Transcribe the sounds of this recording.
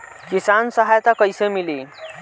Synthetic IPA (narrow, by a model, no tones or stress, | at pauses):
kisansəɦajt̪akəjsemili